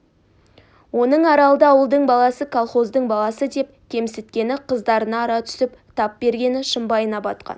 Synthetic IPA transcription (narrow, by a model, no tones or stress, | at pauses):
wo̞nəɴɑɾɑlˠəd̪əɑwəlˠd̪əɴbɑlˠɑsəkʰolˠχo̞zd̪əɴbɑlˠɑsəd̪e̞p̚kʲʰe̞msɪt̪kʲe̞nɪqʰəzd̪ɑɾənɑːɾɑt̪ʰʏ̥sɪpt̪ʰɑp̚be̞ɾɡʲe̞nɪʃəmbɑjənɑpɑt̪qɑ̰n